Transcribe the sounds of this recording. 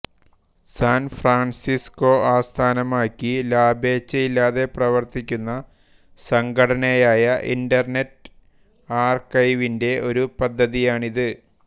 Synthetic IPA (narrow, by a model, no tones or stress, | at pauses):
saːnfraːɳsisko̞aːst̪ʰaːnɐmaːkʲːilaːbeːt͡ɕːɐilːaːðe̞prɐʋɐrt̪ikʲːunːɐ | sɐŋɡɐɽɐnejaːjɐʔḭndɐrnet | aːrkɐjʋinde̞o̞ɾupɐd̪ʱːɐðijaːɳiðɨ